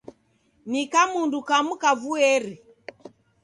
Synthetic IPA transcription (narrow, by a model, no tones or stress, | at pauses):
nikamundukamukavuɛɾi